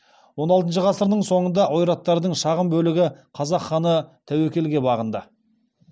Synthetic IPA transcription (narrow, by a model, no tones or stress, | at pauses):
wo̞nɑlˠt̪ənʃəʁɑsəɾnəɴso̞ɴənd̪ɑʔojɾɑt̪ːɑɾd̪əɴʃɑʁəmbɵlɪɡʲɪqʰɑzɑqχːɑnət̪ʰæwekʲe̞lɡʲe̞bɑʁənd̪ə